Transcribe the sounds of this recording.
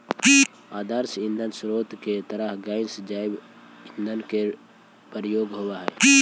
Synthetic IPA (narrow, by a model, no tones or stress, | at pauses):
aːd̪əɾsɪ̃nd̪ʱənsɾoːt̪ket̪əɾəɦɡaːɪnsd͡ʒaːɪb | ɪnd̪ʱənke | pəɾjoːɡɦowaɦɛ̰ː